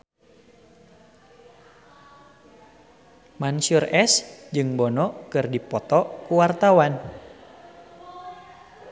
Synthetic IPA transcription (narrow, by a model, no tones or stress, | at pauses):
mansurɛsd͡ʒɨŋbɔnɔkɨrdipɔt̪ɔkuwart̪awan